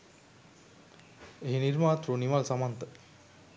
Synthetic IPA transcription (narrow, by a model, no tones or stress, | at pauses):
eɦiniɾmaːt̪ɾunimalsamant̪ə